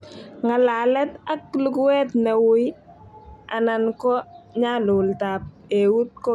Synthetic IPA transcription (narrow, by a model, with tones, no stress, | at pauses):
ŋa˨la˨lɛ˦ta˦k̚lʊ˦kʊ˦wɛ˦tna˨wʊ˦j | a˨na˨nkɔ˦ɲalʊ˨ltap̚ | ewu˦t̚kɔ˦